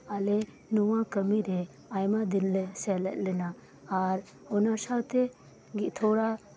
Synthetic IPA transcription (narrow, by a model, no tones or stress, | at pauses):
alɛ | nuwãkəmiɾɛ | ajmad̪inlɛsɛlɛ̰tlɛnaː | ɾ | ɔnasawt̪ɛ | ɡiʔt̪ʰoɽa